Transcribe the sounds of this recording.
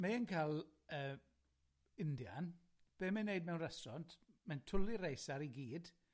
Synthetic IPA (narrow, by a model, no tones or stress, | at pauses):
maənkʰaːlˠəː | ɪndja̰n | b̥eːmɛnːejd̚mɛwnrɛsɔntʰmɛntʰʊlˠiɾejsaɾiɡiːd̥